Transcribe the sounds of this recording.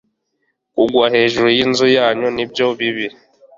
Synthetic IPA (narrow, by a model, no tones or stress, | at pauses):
kuɡwaɦeʒuɾujinzujaɲɔnibjɔbibi